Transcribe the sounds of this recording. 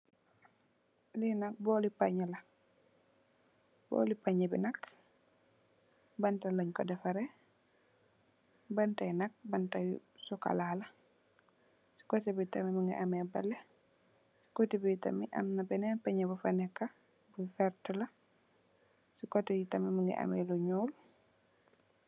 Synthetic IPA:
linak̚bɔlipaɲalɐ | bɔ̰lipaɲɐbinɐk | bantalaɲkɔdɛfɐɾɛ | bantajnɐk̚bantaj̰sɔka̰laːlɐ | si̥kɔtibitɐmimaŋɡḭʔamɛbɐ̰lːɛ | si̥kotibijtɐ̰miʔɐ̰mnɐbɛnɛnpaɲabufɐnɛkːɐ | bufɛɾtəlɐ | sikɔtijitɐmimaŋɡḭʔɐ̰mɛ̰luɲuːl

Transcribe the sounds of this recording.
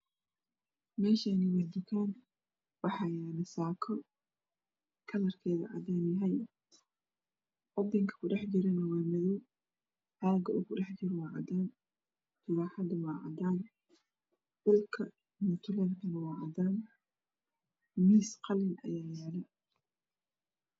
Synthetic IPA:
mɛːʃaːniwɐd̪ʊkʰaːn | wɑħɑjaːnɐsaːkʰɔ | kʰɐlɐrkʰɛːðɐ̰ʕɑ̰d̪aːnjɦɐj | wɑd̪ɪŋkʰɐ̥kʰʊɖɛħd͡ʒɪɾɛnɐwɑːmɐðuw | haːɡɐʔʊkʰʊɖɛħd͡ʒɪɾwɑːʕɑ̰d̪aːn | t̪ʰʊβaːħɑd̪ɐwɑːʕɑ̰d̪aːn | d̪̥ʊlkʰɐ | mʊt̪ʰʊlɐrkʰɐnɐwɑːʕɑd̪aːn | miːsqɑlɪnʔɐ̰jaːjaːlɛ

